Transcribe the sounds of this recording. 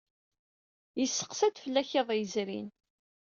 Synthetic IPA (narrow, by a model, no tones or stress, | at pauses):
jəsːə̥qsæt͡s̪fəlːæçeðˤjəzɾḭn